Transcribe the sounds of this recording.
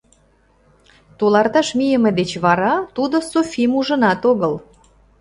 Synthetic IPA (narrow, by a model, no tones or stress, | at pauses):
t̪ulɑrt̪ɑʃmijəmed̪et͡ɕβɑɾɑt̪ud̪osofʲimuʒə̆nɑt̪oɣəl